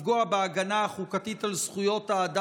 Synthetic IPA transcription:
ɡoabeaɡanaːχukat̪it̪alsχujo̞t̪aːd̪a

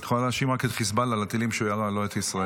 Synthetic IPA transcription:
tχolalehaʃimʁaket̪χisbalalat̪ilimʃeujaʁaloet̪isʁae

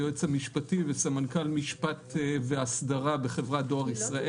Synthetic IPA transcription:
joet͡samiʃpativesamankalmiʃpat̪veasdaʁabeχe̞vʁadoaʁisʁaʔe

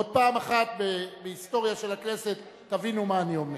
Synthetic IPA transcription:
od̪̚paːmaχat̪̚bebeist̪o̞ʁjaʃe̞lakne̞se̞t̪ːavinumaːnio̞me

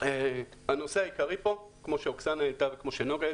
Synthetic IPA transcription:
e | hano̞seajikaʁipo̞kmo̞ʃeoksanaet̪avekmo̞ʃenoɡe

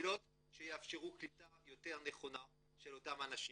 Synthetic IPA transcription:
lo̞t | ʃejeafʃeʁuklitajo̞te̞ʁne̞χo̞na | ʃelo̞tamanaʃi

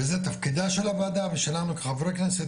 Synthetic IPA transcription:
ezet̪afkid̪aʃelavaːd̪aveʃelanuke̥xavɾeknese

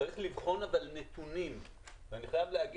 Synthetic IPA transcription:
ʁiχlivχo̞navalnet̪unim | veaniχajavlehaɡi

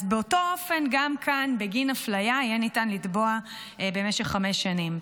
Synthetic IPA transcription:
zbeo̞to̞ofe̞nɡamkʰanbe̞ɡinaflajajenitanlitboa | be̞me̞ʃeχːame̞ʃːanim

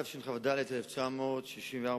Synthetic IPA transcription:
afʃinχavad̪alet̪eleft͡ʃamoːt̪ʃiʃimveaʁ

